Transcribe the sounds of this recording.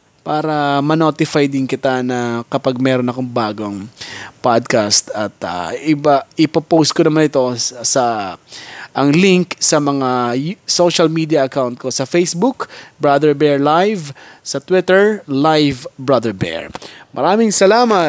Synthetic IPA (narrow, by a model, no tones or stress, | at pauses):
paːɾɐmɐnoːt̪ɪfajd̪ɪnkɪt̪anɐkɐpaɡ̚mɛɾonɐkoŋbaːɡoŋpad̪̚kast̪ɐt̪a̰ɪbaʔɪpɐpows̚konɐmanɪt̪o̞sɐ | ʔɐŋlɪŋksɐmɐŋasoʃɐlmid̪iɐʔɐkawnt̪̚ko̞sɐfejsbukbɹad̪ɛɹbɛɹlajvsɐt̪wɪt̪ɛɹlajvbɹad̪ɛɹbɛ̰ɹmɐɾaːmɪŋsɐlaːmɐ